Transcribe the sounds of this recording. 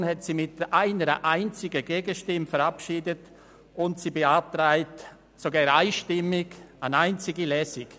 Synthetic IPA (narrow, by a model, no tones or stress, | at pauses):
nhɛtsiːmɪtʔaɪnəɾə̰ʔaɪnt͡sɪɡəɡeːɡəʃtɪmfəɾapʃiːdət | ʊntsibeap̚tɾaɪt | soɡaːɾaɪʃtɪmɪɡanaɪnt͡sɪɡilɛːsɪk